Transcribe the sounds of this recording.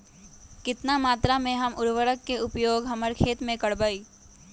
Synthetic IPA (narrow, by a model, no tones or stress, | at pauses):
kɪt̪namaːt̪ɾamẽɦɐmʔʊɾʋəɾəkːeʊpjoːɡɦɐməɾkʰeːt̪mẽkəɽbəiː